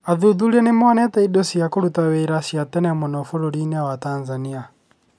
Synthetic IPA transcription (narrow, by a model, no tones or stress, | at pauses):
aðuðuɾɛnemwanɛtaidosiakoɾutaweɾasjatɛnɛmɔnɔfoɾoɾinɛawatanzania